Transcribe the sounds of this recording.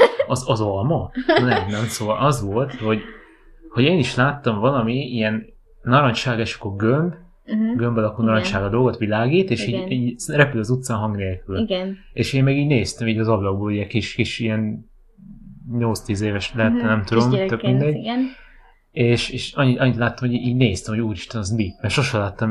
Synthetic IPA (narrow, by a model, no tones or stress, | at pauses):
ɒzɒzolmɒnɛnɛmsoːlʔɒzʋo̞lt̪ho̞ɟ | hoɟeːniʃlaːt̪ːɒɱvɒlɒmiijɛnː | ɒɾɒɲʃaːɡɛʃɒ̥kːorɡømb | ɡømbɒlɒkulnɒɾɔɲt͡ʃaːɡɒd̪o̞lɡot̪ʋilaːɡiːt̪eːʃiːɟiːɟrɛpylɒzut̪saːnɦɒŋɡneːlkylɡneːʃeːmːɛɡiːɟneːst̪ɛmiːɟɒzɒblɒɡ̚boːluɟɛkiʃkiʃijɛn | ɲo̞ltst̪iːzeːvɛʃlɛɛt̪ːɛnɛmt̪ud̪o̞mt̪økmind̪ɛɟ | eːʃeːʃɒɲːiɒɲːit̪laːt̪ːɒmhoiːɟneːst̪ɛmhouːɾiʃt̪ɛnɒzmimɛrʃo̞ʃɛlaːt̪ːɒm